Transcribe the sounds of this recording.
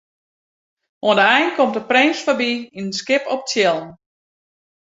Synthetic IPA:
oəndəɛjnkɔmtəprɪnsfabiinənskɪpɔp̚tjɛlˠən

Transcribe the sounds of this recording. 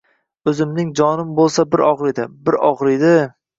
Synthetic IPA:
ɵzɪmnɪŋd͡ʒɒnɪmbolˠsabɪɾʔɒʁɾɪd̪ɪbɪɾɒʁɾɪd̪ɪ

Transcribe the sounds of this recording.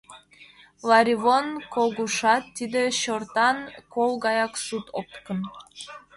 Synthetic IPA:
lˠɑɾʲivonkoɡuʃɑt̪ːid̪ɘɕoɾt̪ɑnkolˠɡɑjɑksut̪ʰopkɤn

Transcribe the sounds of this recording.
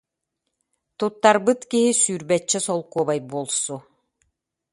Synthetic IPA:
t̪ut̪ːaɾbɯt̪kiɦisyɾbɛt͡ɕːɛsɔlˠkuɔbajbuɔlˠsu

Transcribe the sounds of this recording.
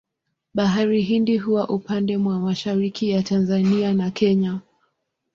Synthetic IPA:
ɓaɦaɾiɦindiɦuwaʔupandɛmwamaʃaɾikʰijatanzanianakʰɛɲa

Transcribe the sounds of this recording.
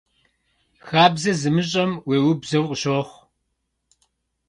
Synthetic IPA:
xaːbzɐzɨmɨɕ̬ʼɐmweːwʊbzɐwqʼəɕoːχʷ

